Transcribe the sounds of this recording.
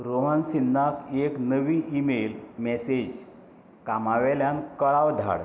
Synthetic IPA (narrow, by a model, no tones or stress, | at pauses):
ɾoɦənsinːakʰeknəʋiʔimelmɛsed͡ʑ | kamaʋɛljankəɭawd̪ʱa̰ɽ